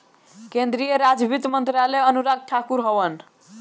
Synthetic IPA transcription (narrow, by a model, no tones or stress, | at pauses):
kẽnd̪ɾijəɾad͡ʒbʱit̪mənt̪ɾalɛənuɾaɡ̚ʈʰakuɾɦɔʋən